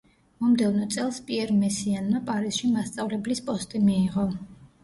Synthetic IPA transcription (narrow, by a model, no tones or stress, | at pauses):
mɔmd̪ɛvnɔt̪sʼɛlˠspʼiɛɾmɛsianmapʼaɾisʃimast̪sʼavlɛblispʼɔst̪ʼimiːʁɔ